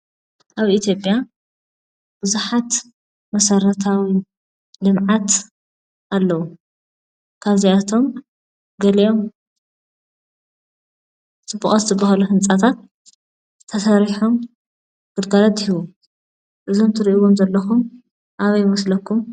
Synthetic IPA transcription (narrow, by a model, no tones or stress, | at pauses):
ʔaβit̪jo̞pʼja | b̥ɨzuħat̪ | mɐsɐɾɐt̪ʰawi | lɨmʕat̪ | ʔalːɐwu | kʰaβziat̪ʰo̞m | ɡɐlɐjo̞m | t͡sʼɨbːuχʼazɨt̪ʰɨbɐhaluɦɨnt͡sʼat̪ʰat̪̚ | t̪ʰːɐsɐɾiħom | ɡ̥ɨd̪ɡalɐt̪hiwu | ʔɨzo̞mt̪ʰɨɾiʔiwo̞mzɐlːɐxum | ʔaβɐjmɐslɐkʰːum